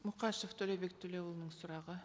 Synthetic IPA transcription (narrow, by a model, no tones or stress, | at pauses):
mʊqɑʃeft̪ʰɵlebe̞k̚t̪ʰɵle̞wulˠnəɴsʊɾɑʁə